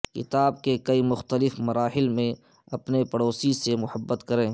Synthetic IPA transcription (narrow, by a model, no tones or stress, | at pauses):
kɪt̪aːb̚kekɐimʊxt̪əlɪfmɐɾaːhɪlmẽ | ɐpnepɐɽoːsisemʊhəbːət̪kɐɾẽː